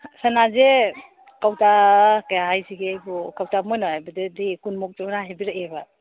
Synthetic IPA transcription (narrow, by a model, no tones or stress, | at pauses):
sanaze | kawtakajaɦajsiɡejbɔkawtamɔjnabadedikunmɔk̚tɔmnaɦebiɾaʔeba